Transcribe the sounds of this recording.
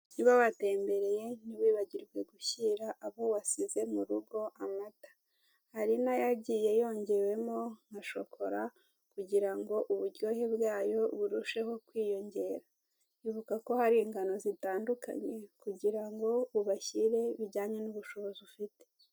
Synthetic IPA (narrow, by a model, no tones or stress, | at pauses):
niβaβate̞ːmbe̞ɾe̞je̞niβiːβaɟiɾɡwe̞ɡuçiɾaʔaβowasize̞muɾuɡo̞ʔamatḁ | haɾinajaɟiːje̞jo̞ːɲɟe̞we̞mo̞ŋaʃo̞kʰo̞ɾa | kuɟiɾaŋɡo̞ʔuβuɾɟo̞ːhebɡaːjo̞βuɾuʃe̞ho̞kwiːjo̞ɲɟe̞ːɾa | iβukako̞haɾiːŋɡano̞zitaːnduka̰ɲe̞kuɟiɾaŋɡo̞βuβaçiɾe̞βiɾɟaːɲe̞nuβuʃo̞βo̞ziufite̥